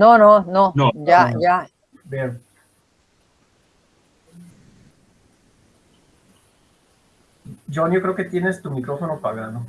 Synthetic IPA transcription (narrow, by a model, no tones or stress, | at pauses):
nonononojaja | be | d͡ʒonjokɾe̞oket̪je̞nest̪umikɾofonopaɣano